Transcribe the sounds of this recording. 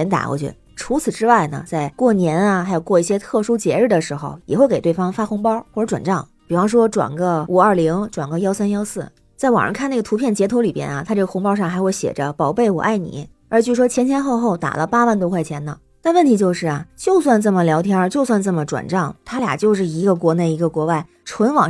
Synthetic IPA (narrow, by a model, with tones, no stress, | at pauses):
ɛ˧˥nt̪a̰˨˩˥wɔ̰˧˥t͡ɕɥɛ̰˧˥d̪ | ʈ͡ʂʰu˧˥t͡sʰɹ̩˨˩ʈ͡ʂɻ̩˥wa˥˩ɪnə̰˩t͡sa˥˧ɪkwɔ˥˩njɛ˧˥nɐ˧xɪjo˨˩ʊkwɔ˥˧i˥˩ɕjɛ˥t̪ʰɤ˥˩ʂu˥t͡ɕjɛ˧˥ɻɻ̩˥˩d̪ə˩ʂɻ̩˧˥xo˧ʊjɛ̰˨˩xwe˥˧ɪke˨˩ɪt̪we˥˩ɪfɑ˥ŋfa˥xʊ˧˥ŋpɑ˥xwɔ˥˩ʈ͡ʂə˧˥ʈ͡ʂwa̰˨˩nʈ͡ʂɑ˥˩ŋpi˨˩fɑ˥ŋʂ̬wɔ˥ʈ͡ʂwa̰˨˩nɡə˧u˨˩ə˞˥˩li˧˥ŋʈ͡ʂwa˨˩nɡə˧jɑ˥ʊsa˥njɑ˥ʊsɹ̩˥˩ | t͡sa˥˩ɪwɑ̰˨˩ŋə̰˧˥kʰa˥˧n˥˩ɡə˩t̪ʰu˧˥pʰjɛ˥˩nt͡ɕjɛ˧˥t̪ʰo˧˥ʊli˨˩pjɛ̰˥nɐ˨t̪ʰa˥ʈ͡ʂɤ˥˩ɡə˩xʊ˧˥ŋpɑ˥ʊʂ̬ɑ˥˩ŋxa˧˥ɪxwe˥˩ɪɕjɛ̰˨˩ʈ͡ʂə˦pɑ˨˩ʊpe˥˩ɪwɔ̰˨˩ʔa˥˩ɪnḭ˨˧˩ | ə˞˧˥t͡ɕjo˥˩ɻ̩˥˩ʂwɔ˥t͡ɕʰjɛ˧˥nt͡ɕʰjɛ˧˥nxo˥˧ʊxo˥˩ʊt̪a̰˨˩lə˦pa˥wa˥˩nt̪o˥ʊkʰwa˥˩ɪt͡ɕʰjɛ˧˥nd̪ə˨˩ | t̪a˥˧nwə˥˩nt̪ʰi˧˥t͡ɕjo˥˧ʊʂɻ̩˥˩ɐ˩t͡ɕjo˥˧ʊswa˥˧nt͡sə˥˩mə˩ljɑ˧˥ʊt̪ʰjɑ˥˧t͡ɕjo˥˧ʊswa˥˧nt͡sə˥˩mə˩ʈ͡ʂwa̰˨˩nʈ͡ʂɑ˥˩ŋt̪ʰa˥lja̰˨˩t͡ɕjo˥˧ʊʂ̬ɻ̩˥˩i˧˥ɡə˧k̬wɔ˧˥ne˥˩ɪi˧˥ɡə˧kwɔ˧˥wa˥˩ɪ | ʈ͡ʂʰwə˧˥nwɑ˨˩ŋ